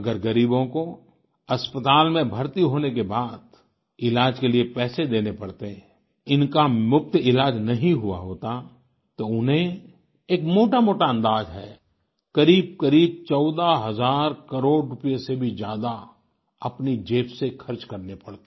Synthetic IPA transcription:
əɡəɾɡəɾiːbõko | ɐspət̪aːlmẽbʱəɾt̪iɦoːnekebaːd̪ | ɪlaːd͡ʒkeliepɛːsed̪eːnepɐɽt̪eɦɛ̃ | ɪnkamʊk̚t̪ɪlaːd͡ʒnɐɦĩɦʊa̰ɦoːt̪a | t̪oʊnɦẽ | eːkmoːʈamoːʈaə̃nd̪aːd͡ʒɦɛ̰ː | kəɾiːb̚kəɾiːb̚t͡ʃɔːd̪aɦɐzaːɾkəɾoːɽɾʊpijesebʱid͡ʒjaːd̪a | ɐpnid͡ʒeːpsekʰəɾt͡ʃkɐɾnepɐɽt̪e

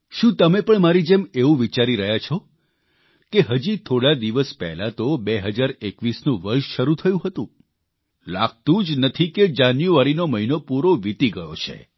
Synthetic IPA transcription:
ʃũt̪əmepəɳmaɾid͡ʒemeʋũʋit͡ʃaɾiɾəɦjat͡ʃʰo | keɦəd͡ʒit̪ʰoɽad̪iʋəspɛ̰ɦlat̪obeɦəd͡ʒaɾekʋisnũʋəɾʃʃəɾut̪ʰəjũɦət̪ũ | la̰ɡ̚t̪ũd͡ʒnət̪ʰiked͡ʒanjuaɾinoməɦinopuɾoʋit̪iɡəjo̰t͡ʃʰḛ

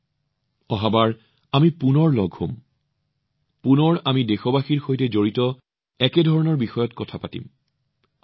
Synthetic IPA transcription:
ɔɦabaɹ | amipunɔɹlɔɡʱho̰m | punɔɹamidexɔbaxiɹxojtɛzoɹitɔ | ɛkɛdʱɔɹɔnɔɹbixɔjɔtkɔtʰapatḭm

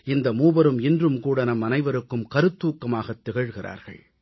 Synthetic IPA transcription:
ɪnd̪ɐmuːbɐɾɯmɪndrɯmkuːɽɐnɐmɐnɐɪʋɐɾɯkːɯmkɐɾɯt̪ːuːkːɐmaːɣɐt̪ːɪɣɐɻɣɪrʔa̰ːɾɣɐ̰ɭ

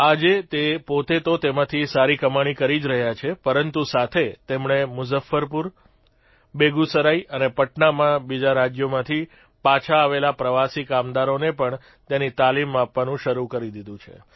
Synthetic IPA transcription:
ad͡ʒet̪epot̪et̪ot̪emãt̪ʰisaɾikəmaɽ̃ikəɾid͡ʒɾəɦjat͡ʃʰepəɾənt̪usat̪ʰet̪emɳemʊzəfːəɾpuɾ | beɡusəɾaiənepəʈɳamãbid͡ʒaɾad͡ʒjomãt̪ʰi | pat͡ʃʰaːʋelapɾəʋasikamd̪aɾonepəɳ | t̪enit̪alimapʋanũʃəɾukəɾid̪id̪ũt͡ʃʰḛ

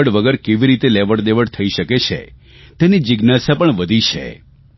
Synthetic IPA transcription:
əɽʋəɡəɾkeʋiɾit̪eleʋəɽd̪eʋəɽt̪ʰəiʃəket͡ʃʰḛ | t̪enid͡ʒɪɡnasapəɳʋəd̪ʱit͡ʃʰḛ

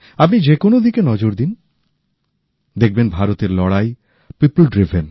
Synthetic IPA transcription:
apnid͡ʑekonod̪ikenɔd͡ʑoɾd̪in | d̪ek̚ʰbenbʱaɾot̪eɾlɔɽaj | piplɖɾibʱen

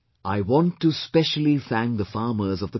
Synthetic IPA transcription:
ʔaɪwɔ̃ntːuspɛʃəl̩ˠifæ̃ŋd̪əfɑːɾmə˞zɔvd̪ə

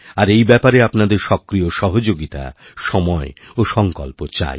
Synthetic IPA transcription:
aɾejbɛpaɾeapnad̪eɾʃɔkɾioʃɔɦod͡ʑoɡit̪a̰ | ʃɔmɔeoʃɔŋkɔlpot͡ɕa̰j

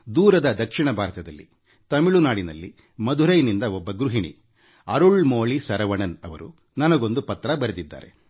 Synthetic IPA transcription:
d̪uːɾɐd̪ɐd̪ɐkʂiɳɐbʱaːɾɐt̪ɐd̪ɐlːḭ | t̪ɐmiɭunaːɽinɐlːi | mɐd̪uɾɐjnind̪ɐɔbːɐɡɾuɦiɳḭ | ɐɾuɭmoːɭisɐɾɐʋɐɳɐnɐʋɐ̰ɾu | nɐnɐɡo̞nd̪upɐt̪ːɾɐbɐɾed̪id̪ːa̰ːɾe̞̰

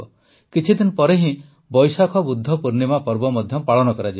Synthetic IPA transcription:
ɔ | kit͡ʃʰid̪inɔpɔɾeɦĩ | bɔjsakʰɔbud̪ʱːɔpuɾnimapɔɾbɔmɔd̪ʱjɔpaɭɔñɔkɔɾad͡ʒi

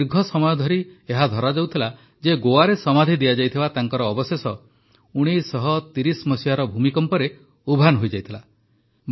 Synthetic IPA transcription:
ɾɡʱɔsɔmɔjɔd̪ʱɔɾieɦad̪ʱɔɾad͡ʒawt̪ʰila | d͡ʒeɡowaɾesɔmad̪ʱid̪ijad͡ʒajt̪ʰibat̪aŋkɔɾɔːbɔsesɔ | uɽ̃isɔɦɔt̪iɾismɔsijaɾɔbʱumikɔmpɔɾe | ubʱanɔɦojd͡ʒajt̪ʰila

